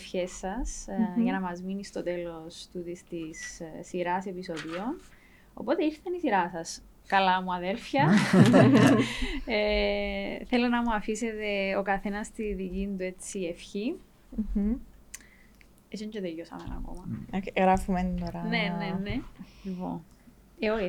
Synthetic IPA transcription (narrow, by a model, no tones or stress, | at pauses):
fçe̞sːɐsʝɐnɐmɐzminist̪o̞t̪e̞lo̞st̪ut̪ist̪isːiɾɐse̞pisoðio̞n | o̞̰po̞t̪eiɾθɐnisiɾɐsɐs | kɐlɐmuɐðe̞lfçɐ | e | θe̞lonɐmuɐfise̞t̪e̞okɐθe̞nɐst̪iðicind̪ue̞t͡sːie̞fçi | es̬oɲɟet̪ejosɐ̰menɐ̰ko̞̰mɐɣɾɐfumenoɾɐne̞nenelipo̰n | eo